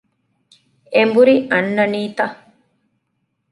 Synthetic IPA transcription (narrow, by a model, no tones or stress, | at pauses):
embuɾiʔɐnːɐniːt̪ɐ